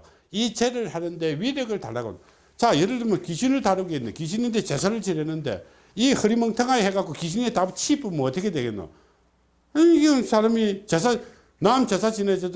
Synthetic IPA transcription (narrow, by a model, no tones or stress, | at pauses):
it͡ɕeɾɯɭhanɯnde̞wiɾjʌɡɯɭta̰ɭːaɡo̰n | t͡ɕajeɾɯɭtɯmjʌnkiɕʰinɯɭtaɾɯɡenːokiɕ̬ʰinindet͡ɕe̞sʰaɾɯɭt͡ɕiɾenːɯnde̞̰ | ihɯɾimʌŋtʰaŋaiɦeɡak͈ʰokiɕ̬ʰinetabut͡ɕʰipumoːtʰəkʰedweɡenjo̰ | sʰaɾamit͡ɕes̬ʰa | namt͡ɕesʰat͡ɕined͡ʑe